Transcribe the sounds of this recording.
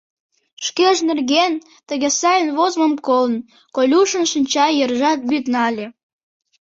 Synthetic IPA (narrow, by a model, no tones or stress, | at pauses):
ʃkeʒnerɣen | t̪əɣesɑjənβozmə̆mkoln | kolʲuʃə̆nʃɨnʲt͡ɕɑjərʒɑt̪̚byt̪nɑlʲe